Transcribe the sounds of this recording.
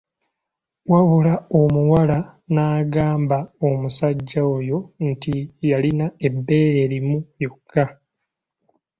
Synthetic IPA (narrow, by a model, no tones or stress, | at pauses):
waβulao̞muwalanaːɡaːmbaomusaɟːaojo̞ntijalinae̞bːe̞ːɾe̞ɾimujo̞kʰːa